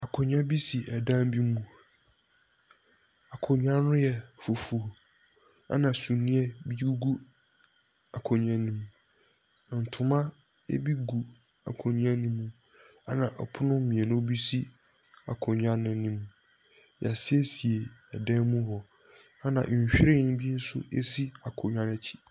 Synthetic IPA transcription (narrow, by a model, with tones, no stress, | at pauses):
a˨kʰʊ˨ɲᶣ˦ã˦bi˦si˨ɛ˨dã˦m˦bi˦mũ˦ | a˨kʰʊ˨ɲᶣ˦ã˦nʊ̃˦jɛ˨fo˨fu˨ | a̰˦nã˨sũ˨nĩ˦ɛ˦bi˦u˦ɡu˦ | a˨kʰɔ˨ɲᶣ˨ã˦nĩ˨m̃˨ | n̩˨tʰʊ˦mã˦ | ḛ˦bi˦ɡu˨ | a̰˨kʰo˨nĩ˦ã˦nĩ˦mːũ˦ | a˦nã˨ʔɔ̰˨pʰʊ˦nʊ̃˦mĩ˨ɛ˨nʊ̃˦bi˦si˦ | a̰˨kʰʊ˨ɲᶣ˦ã˦nɪ̃˨˦nĩ˦m | ja˨sɪ˦e˦si˨e˨ɛ˨dɛ̃˦nmũ˦hɔ˨ | a˦nã˨ɕᶣi˦ɾɪ̃˦bi˦n̩˦sʊ̰˦ḛ˦si˦a˨kʰʊ˨ɲᶣ˨ã˦nɛ˨t͡ɕʰi̥˦